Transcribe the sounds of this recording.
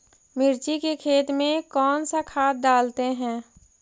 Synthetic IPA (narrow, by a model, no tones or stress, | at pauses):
mɪɾt͡ʃikekʰeːt̪mẽkɔːnsakʰaːt̪̚ɖaːlt̪eɦɛ̃ː